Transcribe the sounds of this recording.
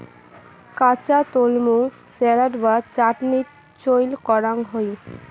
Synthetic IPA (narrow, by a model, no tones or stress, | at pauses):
kat͡ɕat̪olmu | sɛɾaʈbat͡ɕaʈni | t͡ɕojlkɔɾaŋɦoj